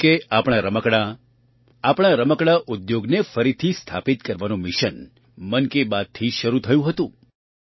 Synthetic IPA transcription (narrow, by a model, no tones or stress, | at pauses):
keapɽ̃aɾəməkɽa | apɽ̃aɾəməkɽaʔʊd̪joɡnefəɾit̪ʰist̪ʰa̰pit̪̚kəɾʋanũmɪʃən | mənkebad̪̚t̪ʰiʃəɾut̪ʰəjũɦət̪ũ